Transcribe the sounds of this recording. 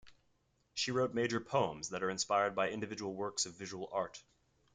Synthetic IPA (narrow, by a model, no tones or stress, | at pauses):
ʃiɹoʊt̚meɪd͡ʒə˞pʰõʊə̃mzðɨɾə˞ɨ̃nspaɪəɹd̚baɪɪ̃ndɨvɪd͡ʒəwl̩ˠwɜ˞ksʌvɪʒəwl̩ˠɑɹt